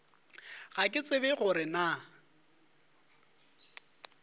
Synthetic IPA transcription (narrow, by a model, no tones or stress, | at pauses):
ɣakʼɪt͡sʼɪbɪχʊɾɪna